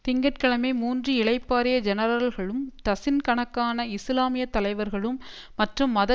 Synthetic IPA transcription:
t̪ɪŋɡɐʈ̚kɐɭɐmeːmuːndriɪɭɐɪpːaːɾɪjɐd͡ʒɛnɐɾɐɐlɣɐɭɯmt̪ɐsɪnkɐɳɐkːaːnɐɪslaːmɪjɐt̪ːɐlɐɪʋɐɾɣɐɭɯmːɐʈrɯmːɐðɐ

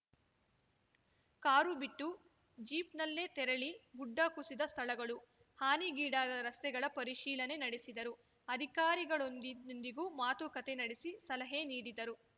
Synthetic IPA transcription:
kaːɾubiʈːu | d͡ʒiːpnɐlːe̞ːt̪ɛɾɐɭiɡuɖːɐkusid̪ɐst̪ʰɐɭɐɡɐɭu | haːniɡiːɽaːd̪ɐɾɐst̪ɛɡɐɭɐpɐɾiʃiːlɐne̞nɐɽesid̪ɐɾu | ɐd̪ʱikaːɾiɡɐɭond̪ond̪iɡuːmaːt̪ukɐt̪enɐɽesisɐlɐɦeniːɽid̪ɐɾu

